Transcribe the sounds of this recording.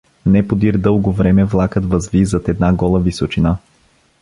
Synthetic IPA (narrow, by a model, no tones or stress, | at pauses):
nɛpod̪iɾd̪ɤlˠɡovɾɛmɛvlˠakət̪vəzvizət̪ɛd̪naɡɔlˠəvisot͡ʃina